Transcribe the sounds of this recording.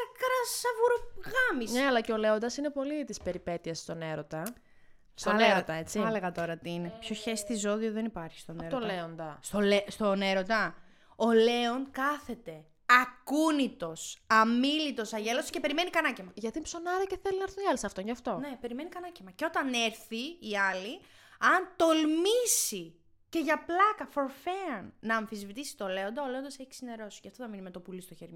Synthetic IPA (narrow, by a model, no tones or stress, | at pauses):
ɐkɾɐsɐvuɾoɣɐmisneɐlɐceo̞le̞o̞nd̪ɐsinepo̞lit̪ispe̞ɾipe̞t̪iɐsst̪o̞ne̞ɾo̞t̪ɐ | st̪oeɾot̪ɐe̞t͡siɐleɣɐt̪o̞ɾɐt̪iinepçoçest̪izo̞ðioðenipɐɾçi̥st̪oneɾt̪olle̞o̞nd̪ɐst̪olest̪oneɾot̪ɐ | ole̞onkɐθe̞t̪e̞ | ɐkunit̪o̞sɐmilit̪o̞sɐʝe̞loso̥sce̞pe̞ɾime̞nikɐnɐcemɐʝɐt̪impso̞nɐɾɐceθelinɐɾθuniɐlisɐft̪onʝɐft̪o̞ne̞pe̞ɾime̞nikɐnɐcemɐceo̞t̪ɐne̞ɾθiːɐli | ɐnt̪o̞lmisi | ce̞ʝɐplɐkɐfo̞ɾfeɐnːɐːɱfizvit̪isi̥t̪ole̞o̞nd̪ɐole̞o̞nd̪ɐseçi̥sine̞ɾo̞scɐft̪oðɐminimet̪opulist̪oçeɾmo